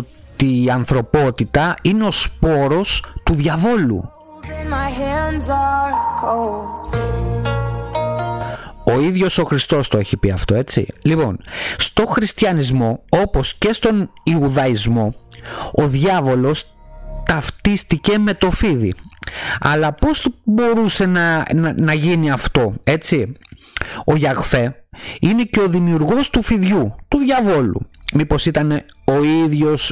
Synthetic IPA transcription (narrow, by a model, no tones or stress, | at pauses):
o | t̪iːɐnθɾo̞po̞t̪it̪ɐine̞o̞spo̞ɾo̞st̪uðʝɐvo̞lṵ̃ | nmaɪɦænzəkʰol | o̞iðʝo̞so̞xɾist̪o̞st̪o̞e̞çipiɐft̪o̞e̞t͡sḭlipo̞̰nst̪o̞xɾist̪çɐnizmo̞o̞po̞sce̞st̪o̞niuðɐizmo̞oðʝɐvo̞lo̞s | t̪ɐft̪ist̪ice̞me̞t̪o̞fiðḭ | ɐ̰lɐpo̞sbo̞ɾuse̞nɐnnɐʝiniɐft̪o̞e̞t͡si | o̞ʝɐɣfe̞ine̞ceo̞ðimiuɾɣo̞st̪ufiðʝut̪uðʝɐvo̞lṵmipo̞sit̪ɐne̞ | o̞iðʝo̞s